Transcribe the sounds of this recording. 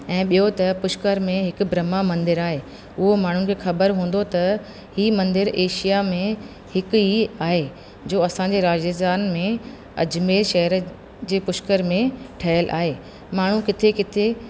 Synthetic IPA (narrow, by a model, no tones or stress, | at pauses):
ɛ̃ːɓijot̪ɐpʊʃkəɾmẽɦɪk̆bɾɐmamɐ̃nd̪ɪɾaːɦeː | ʊɦomaːɳ̤ʊnɪkʰeːxɐbəɾɦũːn̆d̪ot̪ɐ | hiːmɐ̃nd̪ɪɾeːʃijamẽ | hɪkiaːɦe | d͡ʑoːɐsãɲ̆d͡ʑeɾaːd͡ʑəst̪aːnmẽ | ɐ̰d͡ʑmeːlʃɐɦəɾ | d͡ʑeːpʊʃkəɾmẽʈʰɐɦəlʔa̰ːɦeː | maːɳ̤ũkɪt̪ʰekɪt̪ʰe